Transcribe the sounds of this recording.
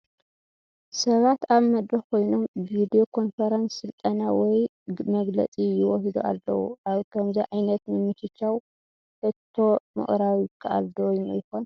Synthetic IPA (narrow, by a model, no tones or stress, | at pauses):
sɐβat̪aβmɐd̪ɾɐkʰo̞jno̞mvid̪io̞kʰo̞nfɐɾansːɨlt̪ʼɐnawɔj | mɐɡlɐ̰t͡sʼijɪwɔhid̪uʔa̰lːɐ̰wṵʔaβkʰɐmziʕajnɐt̪nɨmɨt͡ʃʰɨt͡ʃːaw | hɨt̪ʰːo̞mɨ̰χʼɾawijɪkʰːaʔa̰ld̪owjnṵjɪxon